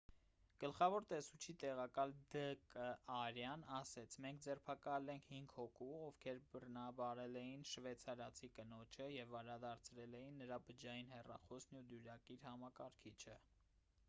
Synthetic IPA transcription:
ɡ̥əlχɑvɔɾt̪ɛsut͡ʃʰit̪ɛʁɑkɑld̪əkəɑɾjɑnɑsɛt͡sʰmɛŋk̚ʰd͡zɛrpʰɑkɑlɛŋkʰhiŋɡhɔkʰuɔvkʰɛɾbərnɑbɑɾɛlɛjinʃvɛt͡sʰɑɾɑt͡sʰikənɔt͡ʃʰəjɛvːɑɾɾɑd̪ɑɾt͡sʰɾɛlɛjinːəɾɑbəd͡ʒɑjinhɛrɑ̰χɔsnud̪juɾɑkiɾhɑmɑkɑɾkʰit͡ʃʰə

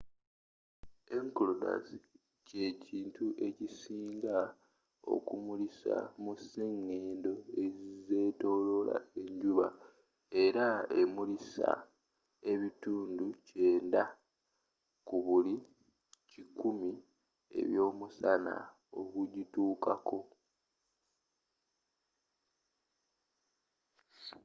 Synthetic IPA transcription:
e̞ŋkloda̰si̥ | ce̞ciːntʰuʔe̞cisiːŋɡa | o̰kumulisa̰museŋːe̞ːndo̞ezize̞ːto̞ːlo̞la̰e̞ɲɟuβa | e̞ɾae̞mulisa̰ | e̞βituːnduce̞ːnda | kuβuli | cikumi | e̞̰βjo̞ːmusana̰ | o̞kuɟituːkakʰo̞

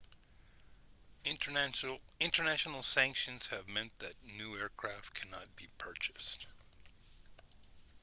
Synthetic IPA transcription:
ɪ̃ntə˞næʃn̩l̩ˠsæ̃ŋkʃɨ̃nz̥ɨvmɛ̃nðɨtⁿnʉɛɹkʰɹ̥æftkʰænɑt̚b̥ipʰɜ˞t͡ʃɨ̥st

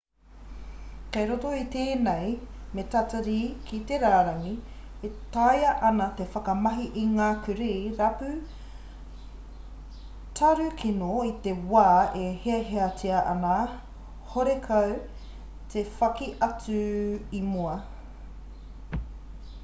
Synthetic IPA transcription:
kɐjɾotoit̪eːnejmet̪atɐɾiːkʰit̪eɾaːɾɐŋi | et̪ajɐʔɐnɐt̪efɐkɐmɐɦiʔiŋaːkʉɾijɾɐpʉ | tʰɐɾʉkʰinoit̪ewaːeheɐɦeɐt͡sʰiɐʔɐna | hoɾekʰɐw | t̪ʰefɐkiʔɐt͡sʉimuɐ

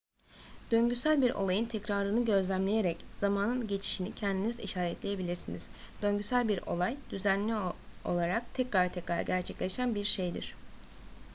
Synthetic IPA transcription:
d̪̥ø̞ɲɟysælʲbiɾo̞̰lˠajɯnt̪ʰɛcɾaɾɯnɯɟø̞zlʲæmlʲe̞jeɾɛcz̥amaːnɯnɟe̞t͡ʃʰi̥ʃinicʰɛnd̪inizḭʃaːɾɛt̪lʲejebilʲiɾsiniz̥ | d̪̥ø̞ɲɟysælʲbiɾo̞̰lˠajd̪̥yzænlʲio̞lˠaɾak̚t̪ʰɛcɾaɾt̪ʰɛcɾaɾɟæɾt͡ʃʰɛclʲe̞ʃænbiɾʃe̞jd̪ḭɾ̥

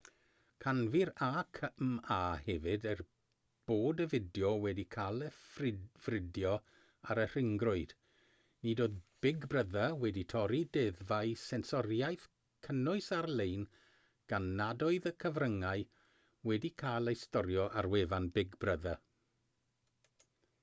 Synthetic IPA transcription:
kʰanviɾaːkʰəmaːhɛvɨdər | b̥oːdəvɪdjɔwɛdikʰaːlˠəfrv̥rɪdjɔ | aɾər̥ɪŋɡrʊɨd̥ | nidoːðb̥ɪɡbrəðawɛditʰɔɾidɛðvaɨsɛnsɔɾjajθ | kʰənʊɨsarlˠejn | ɡ̥anːadɔɨðəkʰəvrəŋaɨ | wɛdikʰaːlˠəjstɔɾjɔʔarwevanbɪɡbrəða

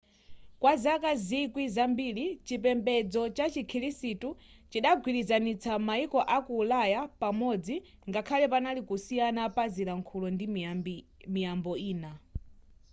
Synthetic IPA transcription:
kwazakazikwizambilit͡ʃipɛmbɛd͡zɔt͡ʃat͡ʃikʰiɾisitu | t͡ʃiɗaɡʱwiɾizanit͡sʰamaikɔʔakuːlajapamɔd͡zi | ŋɡakʰalɛpanalikusijanapaziɾaŋkʰulɔndi | mijambɔiːna

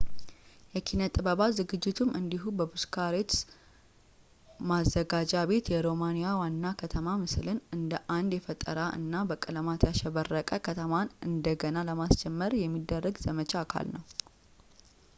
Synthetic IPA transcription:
jɛkʰinət̪ʼɨbəβazɨɡɨd͡ʒːɪt̪ʰumʔɨnd̪iɦubəbuskʰaɾet̪s | mazːəɡad͡ʒaβe̞t̪jɛɾo̞manijawanːakʰət̪ʰəmamɨslɨnɨnd̪əʔand̪jɛfət̪ʼːə̰ɾaʔɨ̰nːabəkʼɨləmat̪ʰjaʃɛβərːəkʼəkʰət̪ʰəmanɨnd̪əɡənaləmast͡ʃɛmːəɾjɛmːid̪ːərːəɡzəmət͡ʃʰʼakʰa̰lnəw

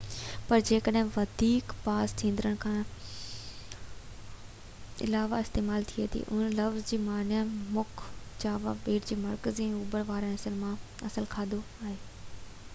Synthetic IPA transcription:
pɐɾd͡ʑeːkəɗɦɪ̃ʋɐd̪ʱiːkpaːzt̪ʰĩːn̆d̪ɪɾəɽ̃kʰãː | ɪ̰laːʋaɪst̪eːmaːlt̪ʰiet̪ʰḭʔʊ̰ənlɐʋzd͡ʑiːmaːnjamʊkʰd͡ʑaːʋa̰ɓeːʈd͡ʑiːmɐɾkəziɛ̃ːuːbəɾʋaːɾɛ̃ːɐsəlmã | ɐsəlkʰaːd̪o | aːɦeː

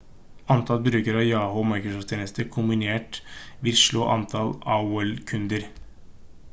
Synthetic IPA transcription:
ɑnt̪ʰɑlbɾʉːkəɾɑjɑːhʊmɑɪkɾʊsɔft̪ʰjeːnəst̪əkʰʊmbɪneːʈʋɪlʂɭo̰ːʔɑnt̪ʰɑlɑʊɛlkʰʉnd̪əɾ

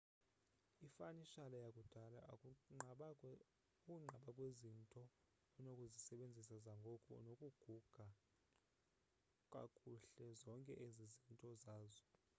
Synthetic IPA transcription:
ifaniʃalajakʼud̥ʱala | kʼuŋ͡ǃʱaɓakʼwezintʼɔː | nokʼuzisɛɓend͡zʱis̬azaŋɡʱɔkʼɔ̰nokʼuɡ̥ʱuɡ̥ʱa | kʼa̰kʼuɬɛzɔŋkʼɛʔezizintʼɔzaːzɔ

